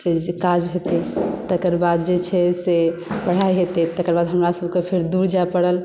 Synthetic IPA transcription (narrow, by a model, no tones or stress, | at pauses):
sekad͡ʒɦet̪et̪əkəɾbad̪d͡ʒet͡ʃʰɛsepəɽ̤ajɦet̪et̪əkəɾbad̪ɦəmɾasəbʱkepʰeɾd̪uɾd͡ʒaepəɽəl